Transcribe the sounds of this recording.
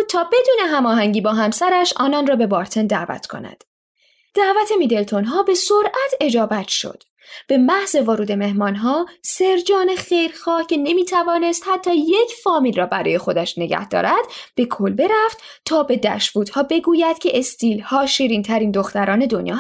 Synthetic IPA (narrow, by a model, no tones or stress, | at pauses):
t̪ʰɒːbe̞d̪uːne̞ɦæmɒːɦæŋɟiːbɒːɦæmsæɾæʃɒ̰ːnɒːnrɒːbe̞bɒːɾt̪ʰe̞nd̪æ̰ʔvæ̰t̪ʰkʰo̞̰næ̰d̪̥ | d̪̥æʔvæt̪ʰe̞miːd̪e̞lt̪ʰo̞nɦɒːbe̞soɾʔæt̪ʰe̞d͡ʒɒːbæt̪ʰʃo̞̰d̪̥ | b̥e̞mæhze̞voɾuːd̪e̞me̞hmɒːnɦɒːse̞ɾd͡ʒɒːne̞xe̞jɾxɒːhcʰe̞ne̞miːt̪ʰævɒːne̞st̪hæt̪ʰːɒːje̞cʰfɒːmilrɒːbæɾɒ̰ːje̞xo̞d̪æʃne̞ɟæ̰hd̪ɒ̰ːɾæd̪̥b̥e̞kʰolbe̞ɾæft̪ | t̪ʰɒːbe̞d̪æ̰ʃvuːt̪hɒːbe̞ɡuːjæd̪̥cʲʰe̞ʔest̪iːlhɒːʃiːɾiːnt̪ʰæɾiːnd̪o̞xt̪æɾɒːne̞d̪o̞njɒ̰ː